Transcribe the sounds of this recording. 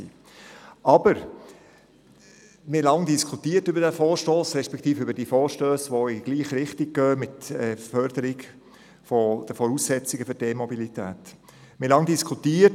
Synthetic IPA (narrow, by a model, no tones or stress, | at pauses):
ḭː | ʔɑbəɾ | mɪlɑŋdiskʰutiːəɾtʏbəɾdæfɔːɾʃtoːsɾɛʃpɛkt̪iːfʏbəɾdiːfɔːɾʃtøːsʋoɪɡ̥liːχɾɪχtɪɡ̚ɡœːmɪtɛfœɾd̥əɾɪɡ | fɔd̥əfɔɾuːsːɛt͡sɪɡəfʏɾd̥emɔbilitæ̰ːt | mɪlɑŋdiskʰutiːət